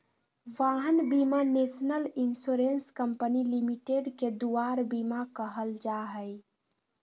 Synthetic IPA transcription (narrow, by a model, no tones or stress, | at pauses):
ʋaɦənbimanesnəlinsuɾenskəmpənilimiʈeɖked̪uaɾbimakəɦəld͡ʒaɦəj